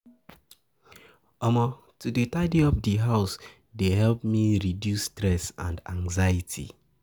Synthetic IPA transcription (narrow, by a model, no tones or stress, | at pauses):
ɔmɔ | tudetaɪdiɔpdiɦaʊs | deɦɛlp̚miɹidjusːtɹɛsã̰ndãŋzaitʰḭ